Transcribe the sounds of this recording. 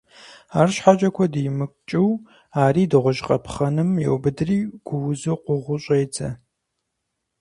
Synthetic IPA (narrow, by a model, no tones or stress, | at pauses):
aːrʃħat͡ʃʼɐkʷʰɔdijmɨkʷʼt͡ʃʼɪw | aːriːdɨʁʷʊʒqʼɐpʰχɐnɨmjɛ̰wbɨdɨriːɡ̥ʷʊwzɨqʷʊʁʷʊɕʼejd͡zʰʼɐ